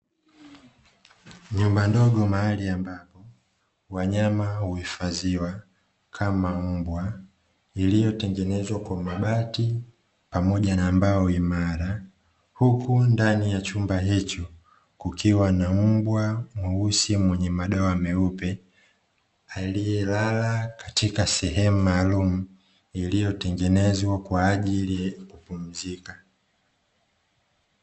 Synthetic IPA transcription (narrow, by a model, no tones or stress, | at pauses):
ɲumbandɔɠɔmahaliambapɔ | waɲamahuhifaziwa | kʰamam̩bwa | ilijɔtɛŋɡɛnɛzwakwamaɓati | pamɔʄanambaɔimaɾa | hukundanijat͡ʃumbaɦit͡ʃɔ | kukiwanam̩bwamuusimwɛɲɛmaɗɔamɛupɛ | alijɛlalakatikasɛɦɛmumaːlumu | ilijɔtɛŋɡɛnɛzwakwaːʄiliakupum̩zika